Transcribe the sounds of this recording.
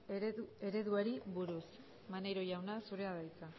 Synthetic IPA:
e̞ɾe̞ðuaɾiβuɾus | mane̞jɾo̞ʝawnasuɾe̞aðajt͡sa

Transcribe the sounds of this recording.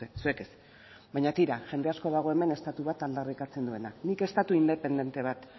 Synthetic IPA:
esue̞kes | baɲat̪iɾaʝe̞nd̪easko̞ðaɣ̞o̞e̞me̞ne̞st̪at̪uβat̪ald̪arikat͡se̞nd̪ue̞nanike̞st̪at̪uind̪e̞pe̞nd̪e̞nt̪e̞β̞at̪

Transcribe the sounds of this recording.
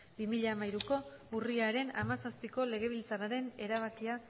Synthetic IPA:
bimiʎamajɾuko̞uriaɾe̞namasaspiko̞le̞ɣe̞βilt͡saraɾe̞ne̞ɾaβ̞akia

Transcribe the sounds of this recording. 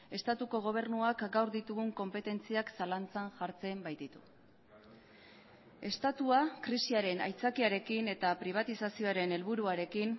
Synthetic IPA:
e̞st̪at̪uko̞ɣ̞o̞β̞e̞ɾnuakɡawɾðit̪uɣ̞uŋko̞mpe̞t̪e̞nt͡siaksalant͡sanʝaɾt͡se̞mbajd̪it̪u | e̞st̪at̪uakɾisiaɾe̞na̰jt͡sakiaɾe̞kine̞t̪apɾiβ̞at̪isasio̞aɾe̞ne̞lβuɾuaɾe̞kin

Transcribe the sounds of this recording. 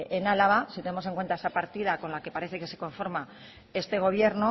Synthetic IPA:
enalaβasit̪e̞nemo̞se̞ŋkwe̞nt̪ae̞sapaɾt̪ið̞ako̞nlake̞paɾe̞θe̞ke̞se̞ko̞ɱfo̞ɾma | e̞st̪e̞ɣ̞o̞β̞je̞ɾno

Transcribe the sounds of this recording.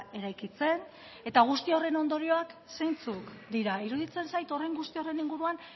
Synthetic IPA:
e̞ɾajkit͡se̞n | e̞t̪aɣ̞ust̪io̞re̞no̞nd̪o̞ɾio̞aksejnt͡sukd̪iɾaiɾuð̞it͡se̞nsajt̪o̞rejŋɡust̪io̞re̞niŋɡuɾuan

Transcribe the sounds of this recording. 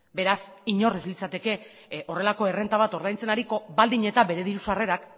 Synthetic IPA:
be̞ɾasiɲo̞rezlit͡sat̪e̞ke̞ | o̞re̞lako̞e̞re̞nt̪aβ̞at̪o̞ɾð̞ajnt͡se̞naɾiko̞bald̪iɲe̞t̪abe̞ɾe̞ð̞iɾusare̞ɾak

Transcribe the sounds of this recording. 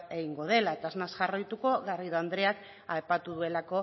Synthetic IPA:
e̞ɣiŋɡo̞ð̞e̞lat̪aznazʝarajt̪uko̞ɣariðoand̪ɾe̞ak | ajpat̪uðue̞lako̞

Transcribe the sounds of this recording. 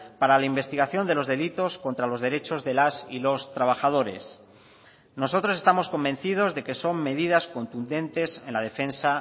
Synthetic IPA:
paɾalaimbe̞st̪iɣaθjo̞nd̪e̞lo̞zðe̞lit̪o̞sko̞nt̪ɾalo̞zðe̞ɾe̞t͡ʃo̞zðe̞lasḭlo̞st̪ɾaβ̞axaðo̞ɾe̞s | no̞so̞t̪ɾo̞se̞st̪amo̞sko̞mbe̞n̟θið̞o̞zðe̞ke̞so̞mːe̞ðiðasko̞nt̪und̪e̞nt̪e̞se̞nlaðe̞fe̞nsa

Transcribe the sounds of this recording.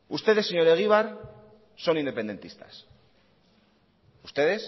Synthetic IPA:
ust̪e̞ðe̞seɲo̞ɾeɣiβ̞aɾ | so̞nind̪e̞pe̞nd̪e̞nt̪ist̪ḁ̰s | ust̪e̞ðe̞s

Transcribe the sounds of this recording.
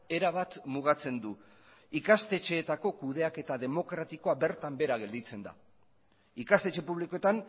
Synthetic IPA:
e̞ɾaβ̞at̪muɣ̞at͡se̞nd̪u | ikast̪e̞t͡ʃe̞ːt̪ako̞kuð̞e̞ake̞t̪aðe̞mo̞kɾat̪iko̞aβe̞ɾt̪ambe̞ɾaɣ̞e̞ld̪it͡se̞nd̪a̰ | ikast̪et͡ʃe̞puβliko̞et̪an

